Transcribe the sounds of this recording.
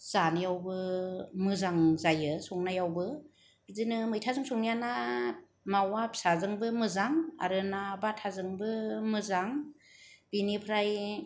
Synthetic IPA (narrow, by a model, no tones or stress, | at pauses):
z̥anɯjawbɯmɯzaŋzajɯsɔŋnajawbɯ | bɯzɯnɯmɯjtʰazɯŋsɔŋnijana | mawapsazɯŋbɯmɯzaŋa̰ɾɯnabatʰazɯŋbɯmɯzaŋ | binipʰɾaj